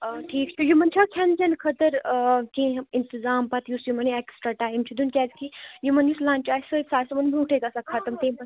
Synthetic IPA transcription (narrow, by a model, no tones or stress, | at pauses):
ʈʰiːkt͡ʃʰujumɐnt͡ʃʰakʰjand͡ʒɐnkʰɐt̪əɾkẽint̪izaːmpɐt̪jusjumɐneksʈɾaʈaːjmt͡ʃʰid̪unkʲaːzkijumɐnjuslãːnt͡ʃaːsəsaːɾsɐmɐnbʱiuʈʰejt̪ɐsakʰɐt̪ɐmt̪ẽːpɐ